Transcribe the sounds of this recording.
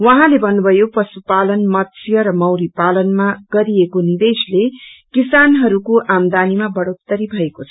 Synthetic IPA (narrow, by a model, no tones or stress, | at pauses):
wʌɦãlebʱʌnːubʱʌjopʌsupalʌnmʌt̪sʰjʌɾʌmʌwɾipalʌnmaɡ̥ʌɾiekonid̪eslekisanɦʌɾukoʔamd̪animabʌɽot̪ːʌɾibʱʌekot͡sʰʌ̥